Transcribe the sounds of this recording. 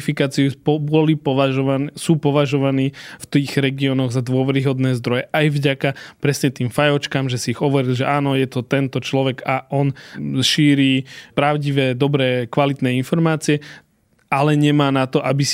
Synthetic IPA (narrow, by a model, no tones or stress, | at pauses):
fikaːt͡siupbɔlipɔʋaʒɔansuːpɔʋaʒɔʋaniːft̪iːɣɾɛɡiɔnɔɣzad̪ʋʊɔʋɛɾiɦɔd̪nɛːzd̪ɾɔjɛʔajvɟakapɾɛsɲɛt̪iːmfajɔt͡ʃkamʒɛsiːɣɦɔʋɔɾilʒɛʔaːnɔjɛt̪ɔt̪ɛnt̪ɔt͡ʃlɔʋɛɡaʔɔnʃiːɾiːpɾaʊɟiʋɛːd̪ɔbɾɛːkʋalit̪nɛːinfɔɾmaːt͡siɛ | alɛɲɛmaːnat̪ɔʔabis